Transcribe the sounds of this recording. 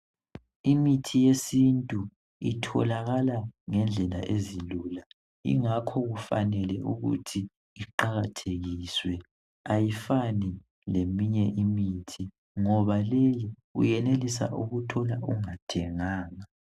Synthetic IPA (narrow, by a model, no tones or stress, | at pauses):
imitʰijesintʼu | itʰɔ̰laɣalaŋɛnd͡ɮʱɛla̰ʔezilula | ḭŋakʰɔɣufa̰nɛlɛ̰ʔuɣṵtʰi | iǃaɣatʰeɣiswɛ | ajifani | lemiɲɛʔimitʰi | ŋɔβaleji | ṵjɛnelisa̰ʔuɣutʰɔlaʔuŋatʰɛŋaːŋa